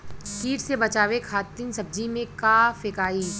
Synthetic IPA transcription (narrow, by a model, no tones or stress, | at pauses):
kiːʈsebɐt͡ʃaːʋekʰaːt̪insɐb̚d͡ʒimẽkaːfɪkaːiː